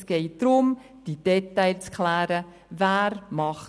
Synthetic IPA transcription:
sɡ̥ɛɪd̪̥ɾʊm | d̥id̥ɛtaɪlt͡skʰlæːɾə | væːɾmɑχ

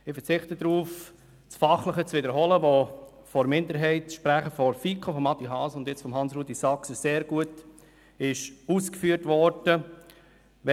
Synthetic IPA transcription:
ɪfəɾt͡sɪχtədɾuːf | t͡sfɑχləχət͡svɪdəɾɦɔləʋo | fɔɾmɪndəɾɦɛɪtʃpɾæχəfɔɾfikʰofɔmɑtːiɦɑːsəʊndjɛt͡sfɔmɦɑnsruːdisɑksəseːɾɡ̥uət | ɪʃuskfyːəɾtʋɔɾd̥ə | ʋɛ

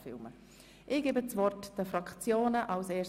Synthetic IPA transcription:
fɪ̰lmə | ʔɪɡ̥eːbət͡svɔrtd̥əfɾɑkt͡sjoːnəʔɑlseːs

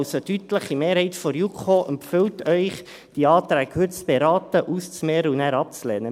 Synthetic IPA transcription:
ʊsətyt̪ləχimeːɾhɛɪt̪fɔɾjukʰoʔəmfʏwtœʏχ | d̥iɑːt̪ɾæːɡhɵtt͡sb̥eɾɑːt̪əʔust͡smeːɾəunæːɾɑp̚t͡slɛːnə

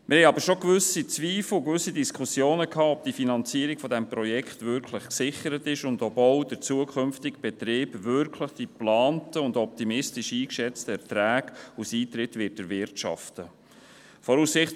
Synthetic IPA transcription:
mʔɪɾhɛɪɑbəɾʃokvʏsit͡sviːfl̩kvʏsːidiskʰχusjoːnəkʰhɑːɔp̚d̥ifinɑnt͡siəɾiɡfɔd̪ɛmpɾɔjɛkχt̪vʏɾkʰləχksɪχəɾətɪʃʊndɔboʊdəɾt͡suəkʰχʏmftɪɡb̥ɛtɾɪːbvʏɾkʰləχd̥iplɑːntəʊndɔp̚timɪstɪʃiːkʃɛt͡stəɛɾtɾæːɡusiːtɾɪtʋɪt̚dəɾvɪɾtʃɑ̰ftə | fɔɾuːsɪχt

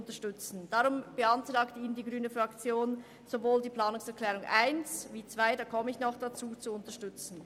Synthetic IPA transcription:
ʊntɐʃtʏt͡sn̩d̥aʁʊmb̥əantʁ̥aːktəiːnəndiːɡʁyːnəfʁakt͡sjoːn | z̥ovoːldiːplaːnʊŋsɛɐkʰlɛːʁʊŋʔaɪnsviːt͡sv̥aɪdaːkʰɔməɪçnɔχd̥at͡suːt͡suʊntɐʃtʏt͡sn̩

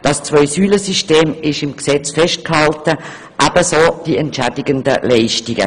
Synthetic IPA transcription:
d̥ɑst͡svɔʏsyːləsiʃteːmɪʃɪmksɛt͡sfɛʃt̚khɑltə | ʔæb̥əsoːd̥iɛntʃædɪɡəndə̰lɛɪʃtɪɡə̰

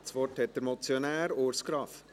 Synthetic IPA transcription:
sʋɔʈhɛt̪dəɾmɔt͡sjɔnæːɾoːɾskɾɑf

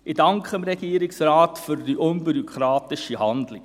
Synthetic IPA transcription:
ɪdɑŋkχəəmɾɛɡiəɾɪksraːtfyɾdiʔʊnbyɾɔkʰχɾɑːtɪʃihɑndlɪ

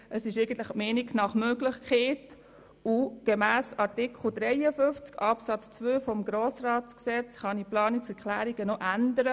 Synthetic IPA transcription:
ʔəsɪʃeɪɡ̥ən̩t̪ləχmeːnɪɡknɑχmøɡlɪχkχeːt | uɡ̥emæːsɑɾtɪkʰχl̩ˠd̥ɾɛɪjəfʏft͡skɑpsɑt͡st͡svøːfɔmɡɾoːsrɑːtsksɛt͡sχɑniplɑːnit͡sɛɾkʰlæːɾiɡ̥ənɔʔændəɾə

